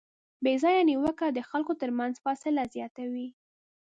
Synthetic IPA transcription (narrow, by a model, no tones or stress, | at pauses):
bezɑjaniwəkad̪əxalkot̪əɾmanzfɑsɪlazjɑt̪awi